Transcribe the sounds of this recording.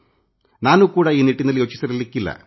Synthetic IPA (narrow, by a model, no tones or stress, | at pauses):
naːnukuːɽeiːniʈːinːɐljo̞ːt͡ɕːisɐɾilːikːilːɐ̰